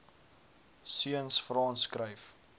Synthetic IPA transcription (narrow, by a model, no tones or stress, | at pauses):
siənsfrɑːnskrəjf